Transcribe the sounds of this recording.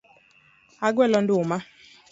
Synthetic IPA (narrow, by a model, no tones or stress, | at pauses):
aɡwɛlɔndʊma